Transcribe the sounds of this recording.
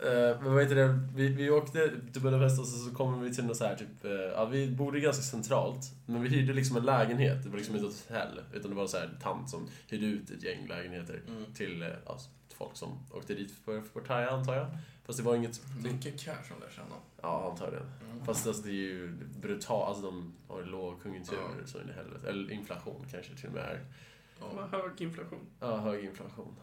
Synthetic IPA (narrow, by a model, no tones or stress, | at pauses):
mɛvaheːt̪ːəd̪ɛvɪvɪoːkt̪ət̪ɪbœɾafɛs̬t̪asɔsɔkʰɔmːəvɪt̪ʰɪlɛmɔsɔhæːʈʰyːpɑ̰vɪbuːɖ̪əɡanskasɛnt̪ʰɾɑ̰ːlt̪ | mɛnvɪɦyːd̪əlɪksɔmɛnlɛːɡənheːt̪̚d̪ɛvaɾlɪksɔmɪnt̪ənɔt̪ɛ̰lːʔʉ̟ːt̪and̪ɛvaɾsɔhæ̰ːt̪ʰa̰nt̪sɔmhyːd̪əʉ̟ːt̪ɛ̰t̪ʰjɛ̰ŋːlʔɛ̰ːɡənheːt̪ə̰ɾt̪ʰɪla̰ | fɔ̰lksɔ̰mʔo̰ːkt̪əd̪iːt̪ʰɔvɔʈʰːaɾjaant̪ʰɑːjafast̪̚d̪ɛvaɾɪŋːət̪ɪkːakʰæːʂɔmd̪ʃɛ̰nːa̰ɑːant̪ʰɑːɡd̪ɛ̰nfast̪alsɔd̪ɛjjbɾʉt̪ʰɑːʔa̰lsɔd̪ɔma̰loːɡkʰɵŋɵnt̪ʰʉ̟ːɾ̰sɔ̰mɪ̰nːəɦɛ̰lːə̰t̪ʔɛ̰lːəɾʔɪnflaɧṵːnkʰanʂət̪ʰɪlːɔ̰mɛ̰ːæ̰ɾ | høːɡɪnflaɧuːnɑːɦøːɡɪnflaɧṵːn